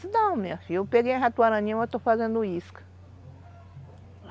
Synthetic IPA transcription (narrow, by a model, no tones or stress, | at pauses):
nɐ̃w̃mefijʊpeɡej̃ɦat̪uaɾɐ̃ɲĩɐ̃w̃et̪ofazẽnd̪uiskɐ̥